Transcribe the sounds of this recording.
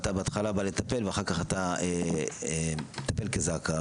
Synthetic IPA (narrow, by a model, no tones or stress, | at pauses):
t̪abeat̪χalabale̞t̪ape̞lveaχaʁkaχat̪aeemet̪ape̞lkezaka